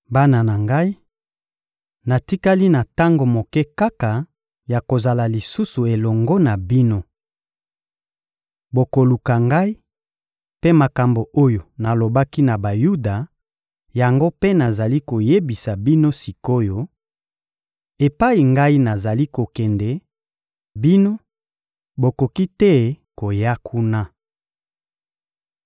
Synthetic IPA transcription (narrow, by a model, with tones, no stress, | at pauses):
ba˦na˨na˨ŋɡa˦i˦ | na˨ti˦ka˦li˦na˨ta˦ŋɡo˨mo˨kɛ˦ka˦ka˨ | ja˨ko˨za˨la˨li˨su˦su˨e˨lɔ˨ŋɡɔ˦na˨bi˦no˦ | bo˨ko˨lu˨ka˨ŋɡa˦i˦ | pe˦ma˨ka˨mbo˨ʔo˦jo˨na˨lo˨ba˦ki˦na˨ba˨ju˦da˨ | ja˨ŋɡo˦pe˦na˨za˨li˦ko˨je˦bi˨sa˨bi˦no˦si˨ko˦jo˦ | e˨pa˦i˨ŋɡa˦i˦na˨za˨li˦ko˨kɛ˨ndɛ˨ | bi˦no˦ | bo˨ko˨ki˦tɛ˦ko˨ja˦kʰu˦na˦